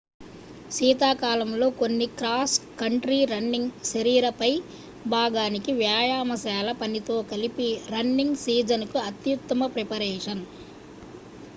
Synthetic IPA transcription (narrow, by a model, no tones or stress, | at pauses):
ʃiːt̪aːkaːlɐmlo̞ːkonːikɾaːskɐɳʈɾiːɾɐnːiŋɡʃɐɾiːɾɐpɐj | bʱaːɡaːnikiʋjaːjaːmɐsɛːlɐpɐnit̪o̞ːkɐlipiɾɐnːiŋɡsiːd͡ʒɐnkuɐt̪jut̪ːɐmɐpɾɛpɐɾeːʂɐn